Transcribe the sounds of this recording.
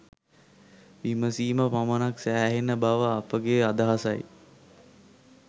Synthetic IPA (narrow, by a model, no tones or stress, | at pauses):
ʋiməsiːməpamənaksæːɦenəbaʋəapəɡeːad̪aɦasaj